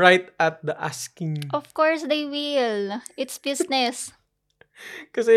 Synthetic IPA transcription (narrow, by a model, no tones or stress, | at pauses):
ɹajt̪̚ɐt̪̚d̪ɐʔa̰skɪ̃ŋʔɔfkɔɹsd̪ejwɪlʔɪt̪sbɪsnɛs | kɐsɛ